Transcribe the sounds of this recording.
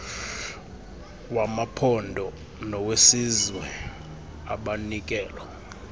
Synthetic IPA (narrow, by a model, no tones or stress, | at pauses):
wamapʰɔndʱɔ | nɔwesizwɛ | aɓanik̬ʼɛːlɔ